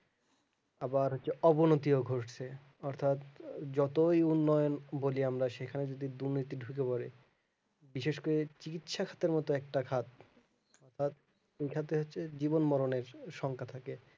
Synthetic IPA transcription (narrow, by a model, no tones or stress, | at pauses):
abaɾɦotːɕʰeɔbonot̪ioɡʱoʂt͡ɕʰe | ɔɾt̪ʰat̪d͡ʑɔt̪ojunːɔjonboliamɾaʃekʰaned͡ʑod̪id̪uɾnit̪iɖʱuk̬epɔɾe | biʃeʃkoɾet͡ɕikit̪ʃakʰḁt̪eɾmɔt̪oɛk̚ʈakʰat̪̚ | ɔɾt̪ʰat̪̚ | ejʃʰat̪ʰeɦotːɕʰed͡ʑibonmɔɾoneɾʃɔŋkʰat̪ʰake